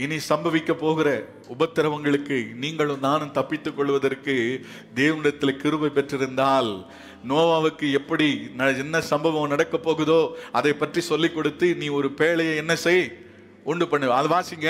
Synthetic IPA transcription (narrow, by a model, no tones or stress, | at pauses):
ɪnisɐmbɐʋɪkːɐpːoːɣɪɾɐ | ʊbɐt̪ːɪɾɐʋɐŋɡɐɭɯkːɯniːŋɡɐɭɯmnaːnɯ̃mt̪ɐpːɪt̪ːɯkːɔɭːɯʋɐðɐɾkːɯ | d̪eːʋɐnɪɽɐt̪ːɪlkɪɾɯbɐɪpːɛʈrɪɾɯnd̪aːl | noːʋaːʋɯkːɯɛpːɐɽinɐɛnːɐsɐmbɐʋɐmnɐɽɐkːɐpːoːɣɯðoːɐðɐɪpːɐʈrisɔlːɪkːɔɽɯt̪ːɯniːɔɾɯpeːɭɐjɐɛnːɐsɛj | uɳɖɯpɐɳːɯʋɐðɯʋaːsɪŋɡɐ